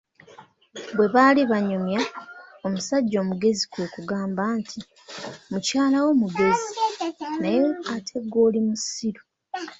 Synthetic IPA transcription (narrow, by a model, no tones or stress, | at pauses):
bwe̞βaliβaɲomjaomusaɟːo̞ːmuɡe̞zikoːkuɡaːmbaːntʰi | mucaːlawo̞muɡe̞zinajeatʰe̞ɡo̞ːlimusiɾo